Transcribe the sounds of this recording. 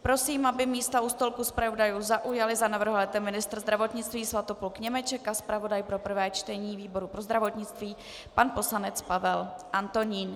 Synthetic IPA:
pɾo̞siːmabɪmiːst̪aust̪olkuspɾaodajuːzaʔujalɪzanavr̩ɦolɛt̪ɛmːɪnɪst̪ɾ̩zd̪ɾavo̞t̪ɲɪt͡st̪viːsvat̪opulkɲɛmɛt͡ʃɛkaspɾavo̞dajpɾo̞pr̩vɛːt͡ʃt̪ɛɲiːviːbo̞ɾupɾo̞zd̪ɾavot̪ɲɪt͡st̪viː | panpo̞slanɛt͡spavɛlʔant̪o̞ɲiːn

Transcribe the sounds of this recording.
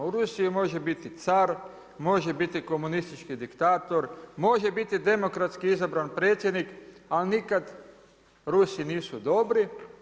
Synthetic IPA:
uɾusiimo̞ʒebit̪it̪saɾ | mo̞ʒebit̪iko̞munist̪it͡ʃkid̪ikt̪aːt̪o̞ɾmo̞ʒebit̪id̪e̞mo̞kɾat̪skiizabɾanpɾe̞ːt̪sjed̪nikalinikad̪ | ɾusiniːsud̪o̞bɾi

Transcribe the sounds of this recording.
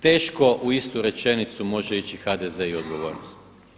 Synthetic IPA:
t̪e̞ːʃko̞ʔuist̪uɾe̞t͡ʃe̞nit̪sumo̞ʒeit͡ɕixad̪eze̞io̞d̪ɡo̞ʋo̞̰ːɾnost̪

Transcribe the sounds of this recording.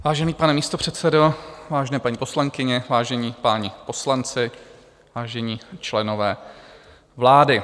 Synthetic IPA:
vaːʒɛniːpanɛmiːst̪o̞pr̝̥ɛt̪t͡sɛdovaːʒɛnɛːpaɲiːposlaŋkɪɲɛvaːʒɛɲiːpaːɲɪpo̞slant͡sɪ | vaːʒɛɲiːt͡ʃlɛnovɛː | vlaːdɪ

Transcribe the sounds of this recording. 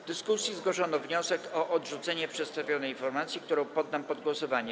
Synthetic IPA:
d̪ɘskusʲjizɡwɔʂɔnɔvɲɔsɛkɔʔɔd̪ʐut̪sɛɲɛpʂɛt̪st̪avʲjɔnɛjinfɔɾmat̪sʲjikt̪uɾɔ̃w̃pɔd̪ːampɔd̪̚ɡwɔsɔvaɲɛ

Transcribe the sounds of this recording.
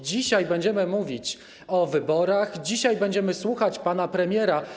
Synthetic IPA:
d͡ʑiɕajbɛɲd͡ʑɛmɘmuvʲit͡ɕ | ɔvɘbɔɾaxd͡ʑiɕajbɛɲd͡ʑɛmɘswuxat͡ɕpan̪apɾɛmʲjɛɾa

